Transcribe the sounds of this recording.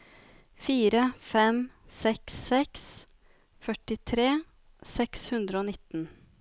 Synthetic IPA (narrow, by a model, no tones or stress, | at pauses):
fiːɾəfɛmsɛksɛks | fœʈɪt̪ʰɾeː | sɛkshʉnd̪ɾəoːnɪt̪ən